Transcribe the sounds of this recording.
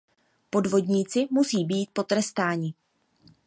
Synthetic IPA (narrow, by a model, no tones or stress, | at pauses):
po̞dvo̞dɲiːt͡sɪmusiːbiːt̪̚po̞t̪ɾɛst̪aːɲɪ